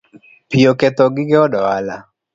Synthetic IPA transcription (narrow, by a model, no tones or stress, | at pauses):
piokɛt̪ɔɡɪɡɛɔdɔala